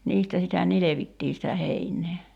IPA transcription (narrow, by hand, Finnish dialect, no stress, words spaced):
niːstæ sitæ nileʋitːiː sitæ heinˑeː